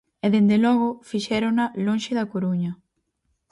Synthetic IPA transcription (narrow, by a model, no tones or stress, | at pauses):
ɛðend̪elɔɣ̞ʊfiʃɛɾonɐlonʃɪðɐkoɾuɲɐ